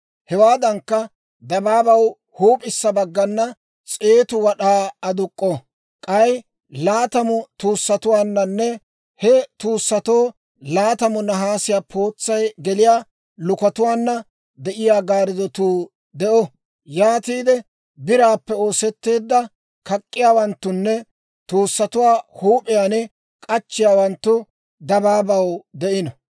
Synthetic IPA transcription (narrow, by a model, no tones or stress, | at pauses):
hɛwaːd̪ɐŋkːɐ | d̪ɐbaːbɐw | huːpʼɪsːɐbɐɡːɐnːɐ | t͡sʼe̞ːt̪ʊwɐɗaːɐd̪ʊkʼːɔ | kʼɐj | laːt̪ɐmʊt̪uːsːɐt̪ʊwaːnːɐnːɛ | hɛt̪uːsːɐt̪o̞ː | laːt̪ɐmʊnɐɦaːsɪjaːpʰo̞ːt͡sːɐjɡɛlɪjaː | lʊkɐt̪ʊwaːnːɐ | d̪ɛʔɪjaːɡaːɾɪd̪ɔt̪uː | d̪ɛʔɔ | jaːt̪iːd̪ɛ | bɪɾaːpːɛo̞ːsɛt̪ːe̞ːd̪ːɐ | kɐkʼːɪjaːwɐnt̪ːʊnːɛ | t̪uːsːɐt̪ʊwaːhuːpʼɪjaːnɛ | kʼɐt͡ʃːɪjaːwɐnt̪ːʊ | d̪ɐbaːbɐwd̪ɛʔɪnɔ